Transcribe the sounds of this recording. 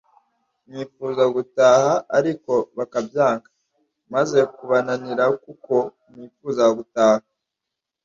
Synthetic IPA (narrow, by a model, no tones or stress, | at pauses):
mŋiːfuːzaɡutaːhaːɾiko̞βakabjaːŋkḁ | maze̞kuβananiɾakuko̞ | mŋiːfuːzaɡutaːha